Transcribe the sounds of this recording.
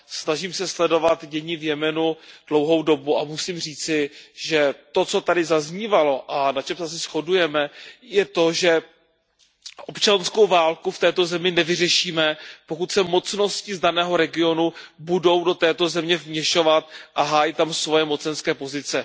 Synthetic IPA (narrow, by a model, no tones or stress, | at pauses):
snaʒiːmsɛslɛdo̞vat̪ɟɛɲɪvjɛmɛnud̥lo̞wɦo̞wdo̞buamusiːmriːt͡sɪʒɛt̪o̞t͡so̞t̪adɪzazɲiːvalo̞ʔanat͡ʃɛmsɛs̬ɛsxo̞dujɛmɛjɛt̪o̞ʒɛ | ʔopt͡ʃansko̞wvaːlkuft̪ɛːt̪o̞zɛmɪnɛvɪr̝ɛʃiːmɛpokut̪sɛmo̞t͡sno̞scɪzdanɛːɦo̞ɾɛɡɪo̞nubudo̞wdo̞t̪ɛːt̪o̞zɛmɲɛvmɲɛʃo̞vat̪̚ʔaɦaːjit̪amsvo̞jɛmo̞t͡sɛnskɛːpo̞zɪt͡sɛ